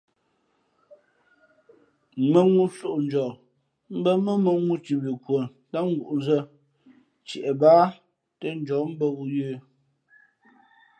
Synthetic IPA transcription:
mə˦ŋu˦so˦˨ʔn˦d͡ʒɔ˨ | m̩˦bə˦mə˦mə˦ŋu˦t͡ʃi˨bi˨kwə˨n | ta˦ŋ˦ɡu˨ʔn˦zə˦ | t͡ʃɛ̰˨ʔɛ˨baː˦ | tə˦n˦d͡ʒɔ˨˦m̩˦bə˦ɣu˦jəː˦

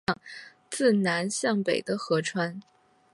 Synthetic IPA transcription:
ŋ | t͡sɹ̩˥˩na˧˥nɕjɑ˥˩ŋpe˨˩ɪd̪ə˦xɤ˧˥ʈ͡ʂʰwa˥n

